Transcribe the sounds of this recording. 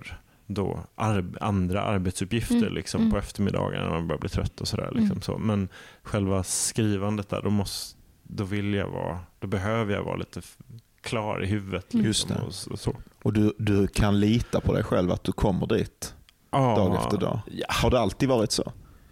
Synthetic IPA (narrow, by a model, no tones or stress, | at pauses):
ɾ | d̪ɔ̰ʔaɾand̪ɾa̰ʔaɾbɛt̪sɵpjɪft̪əɾɭʔɪksɔmmppʰɔɛft̪əɾmɪd̪ɑ̰ːɡə̰n̰nabœːɾabliːt̪ʰɾœt̪ʰːɔsɔd̪æ̰ːɾɭɪksɔmsɔ̰mɛnɧɛlvaskɾiːvand̪ət̪̚d̪æ̰ːɖɔmɔs | d̪ɔvɪlja̰vɑ̰ːd̪̥ɔbɛɦøːvəɾja̰vɑ̰ːaliːt̪ə | kʰlɑːɾʔɪ̰ɦʉ̟vːət̪ʰlɪkjsmɛ̰ɔɔsɔɔd̪ɵd̪ɵkʰanliːt̪apʰɔd̪ɛ̰jɧɛlva̰t̪̚d̪ɵkʰɔmːəɖiːt̪ | ʔɑːd̪ɑːɡɛft̪əɖɑ̰ːhaɖɛalt̪id̪vɑːɾɪt̪sɔ̰